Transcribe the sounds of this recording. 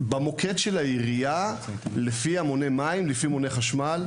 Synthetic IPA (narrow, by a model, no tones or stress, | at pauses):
bamo̞kʰetʃelajiʁijalefiamo̞nemaimlifimone̞χaʃmal